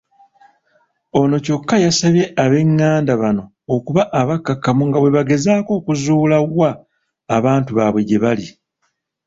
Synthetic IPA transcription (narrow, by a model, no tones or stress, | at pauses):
o̞no̞co̞kːajasaβje̞ʔaβe̞ŋːaːndaβano̞ːkuβaʔaβakːakːamuŋɡaβwe̞βaɡe̞zaːko̞ːkuzuːlawaː | βaːntuβaβwe̞ɟe̞βali